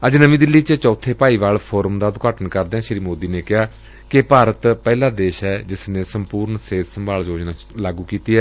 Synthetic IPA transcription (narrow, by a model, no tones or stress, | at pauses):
əd͡ʒnəʋĩːd̪ɪlːiːt͡ʃət͡ʃɔːt̪ʰeːpaːiːʋaːlpʰoːɾəmd̪aːd̪ʊkaːʈənkəɾd̪eːãːʃɾiːmoːd̪iːneːkɪɦaː | kɪpaːɾət̪pɛːlaːd̪eːʃɦɛːd͡ʒɪsneːsəmpuːɾɳseːt̪səmbaːld͡ʒoːd͡ʒnaː | laːɡuːkiːt̪iːɦɛː